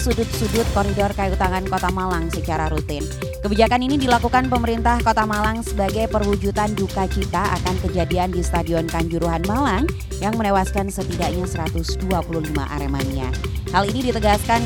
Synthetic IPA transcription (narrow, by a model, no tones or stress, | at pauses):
sudʊt̪̚sudʊt̪̚koɾidɔrkajut̪aŋankot̪amalaŋsət͡ʃaɾaɾut̪ɪn | kəbid͡ʒakaninidilakukanpəməɾint̪ahkot̪amalaŋsəbaɡajpərwud͡ʒut̪and͡ʒukat͡ʃit̪aa̰kankəd͡ʒadiandist̪adiɔnkaɲd͡ʒuɾuɦanmalaŋ | jaŋmənewaskansət̪idak̚ɲasəɾat̪ʊsduapuluhlima̰ʔa̰ɾemania̰halinidit̪əɡaskan